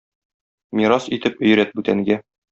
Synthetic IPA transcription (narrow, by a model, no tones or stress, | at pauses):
mʲiɾɑsit̪ɘpɵ̆j̆ɾæt̪̚bʉt̪æŋɡæ